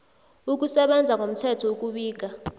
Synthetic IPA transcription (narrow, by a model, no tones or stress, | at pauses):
uk̬ʼusɛɓɛnd͡zʱaŋom̩tʰɛtʰɔuk̬ʼuɓiːk̬ʼa